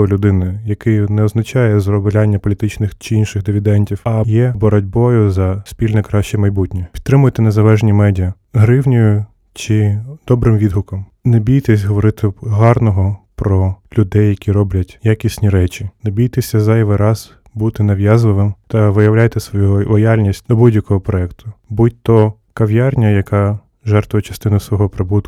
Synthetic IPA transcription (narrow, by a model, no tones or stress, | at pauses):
ɔlʲʊd̪ɪnɪjɐkɪjnɛɔznɐt͡ʃɑjɛzrɔblʲanʲːɐpɔlʲit̪ɪt͡ʃnɪxt͡ʃɪinʃɪxd̪ɪʋʲid̪ɛnʲtʲiwɐjɛbɔɾɔdʲbɔjʊzɐsʲpʲilʲnɛkɾɑʃt͡ʃɛmɐjbutʲnʲipʲi̥dt̪t̪ːɾɪmʊjɛt̪ɪnezɐlˠɛʒnʲimɛdʲiɐ | ɦɾɪwnʲʊjʊ | t͡ʃɪd̪ɔbɾɪmʋʲid̪ɦʊkɔmnɛbʲijt̪ɛsʲɦɔʋɔɾɪt̪ɪɦɑrnɔɦɔpɾɔlʲʊd̪ɛjːɐkʲiɾɔblʲɐtʲjakʲisʲnʲiɾɛt͡ʃʲinebʲijt̪ɪsʲɐzɑjʋɪɾɑz̥ | but̪ɪnɐʋjɑzlɪʋɪmt̪ɐʋɪjɐwlʲajt̪ɪsʋɔjulˠɔjalʲnʲisʲt̚ʲd̪̥ɔbudʲjɐkɔɦɔpɾɔɛkt̪ʰʊbut̚ʲt̪ɔ | kɐʋjarnʲɐjɐkɑ | ʒɛrt̪ʋʊjɛt͡ʃɐ̥st̪ɪnʊsʋɔɦɔpɾɪbut̪ʊ